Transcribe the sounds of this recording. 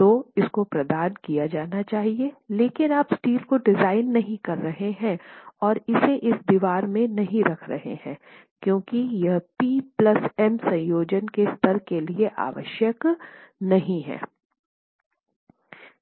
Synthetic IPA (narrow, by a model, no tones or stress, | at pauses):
t̪oɪskopɾɐd̪aːnkijad͡ʒaːnat͡ʃaːɦieleːkɪnaːpsʈiːlkoɖɪzaːɪnːɐɦĩkɐɾːɐɦeɦɛ̃ɔːɾɪseʔɪsd̪iːʋaːɾmẽnɐɦĩɾɐkʰɾɐ̰ɦḛhɛ̰̃ːkjõːkijɐɦpiplɐsɛmsɐ̃jjoːd͡ʒənkest̪əɾkelieʔa̰ːʋə̰ʃjəknɐɦĩɦɛ̰̃ː